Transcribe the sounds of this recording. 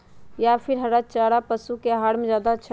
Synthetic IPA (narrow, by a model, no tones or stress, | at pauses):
japʰiɾɦəɾat͡ʃaːɽapəsukeɦaːɽ̤mẽd͡ʒjaːd̪at͡ʃʰ